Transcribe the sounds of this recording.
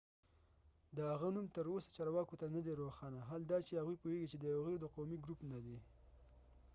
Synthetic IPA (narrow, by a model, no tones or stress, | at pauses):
d̪əhaɣanumt̪əɾosḁt͡ʃɑɾwɑkot̪anəd̪eɾoxɑnaɦald̪ɑt͡ʃehaɣujpoeɡit͡ʃed̪əjawɣiɾd̪əqowmiɡɾupnad̪i